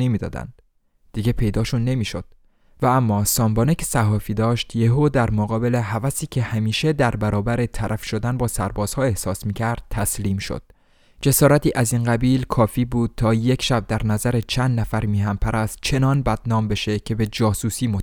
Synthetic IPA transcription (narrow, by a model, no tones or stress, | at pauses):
emiːd̪ɒ̰ːd̪æ̰nd̪̥ | d̪̥iːɟepʰe̞jd̪ɒːʃunːe̞miːʃo̞d̪̥̚ | vææmːɒːsɒːmbɒːnecʰe̥sæhɒːfiːd̪ɒːʃt̪jeɦod̪æɾmoɣɒːbe̞leɦævæsiːcʲʰe̞hæmiːʃe̞d̪æɾbæɾɒːbæɾe̞t̪ʰæɾʔæfʃo̞d̪ænbɒːsæ̰ɾbɒːz̥hɒːe̞hsɒːsmiːcʰæɾd̪̥̚t̪ʰæsliːmʃo̰d̪̥̚ | d͡ʒe̞sɒːɾæt̪iːʔæziːnɢæbiːlkʰɒːfiːbuːd̪̥̚t̪ʰɒːje̞kʰʃæb̚d̪æɾnæzæɾet͡ʃʰænd̪næfæɾmiːɦæmpʰæɾʔæst̪̚t͡ʃʰe̞nɒːnbæd̪̥nɒːmbe̞ʃe̞cʰe̞be̞d͡ʒɒːsuːsiːmo